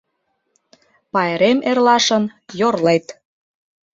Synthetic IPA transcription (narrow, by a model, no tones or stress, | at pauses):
pɑeɾemerlɑʃə̆njorlet̪